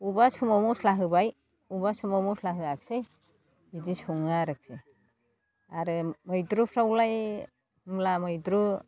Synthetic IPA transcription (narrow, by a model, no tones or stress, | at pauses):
ubasʰumamuslaɦɯbaj | ubasumamuslaɦɯak̚sej | bizisʰuŋaɾɯk̚se | aɾɯmɔjdɾupʰɾawlaj | mlamɔjdɾu